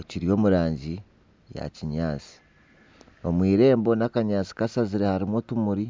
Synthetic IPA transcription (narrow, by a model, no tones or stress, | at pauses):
ociɾijo̞ːmuɾaːɲɟi | ja̰ciɲaːt͡si̥ | o̞mwiːɾe̞ːmbo̞nakaɲaːt͡si̥kasaziɾehaɾimwo̞tumuɾi